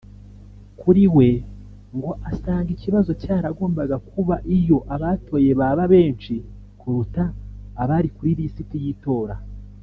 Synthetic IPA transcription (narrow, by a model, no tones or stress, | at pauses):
kʰuɾiwe̞ | ŋɡo̞ʔasaːŋɡiciβazo̞caːɾaɡo̞ːmbaɡakʰuβaʔijo̞ʔaβatʰo̞ːje̞βaβaβe̞ːnt͡ʃi | kʰuɾutaːβaɾikuɾiɾisitijito̞ːɾa